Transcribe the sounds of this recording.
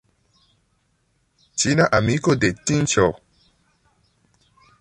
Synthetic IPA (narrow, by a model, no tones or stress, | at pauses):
t͡ʃinaʔamikodetĩnt͡ʃɔ